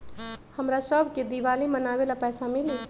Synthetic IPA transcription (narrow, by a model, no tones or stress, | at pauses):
həmɾasəbʱked̪iʋalimənaβelapɛːsamili